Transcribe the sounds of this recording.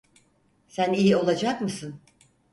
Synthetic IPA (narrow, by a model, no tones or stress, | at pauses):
sænijio̞lˠad͡ʒakmɯsɯn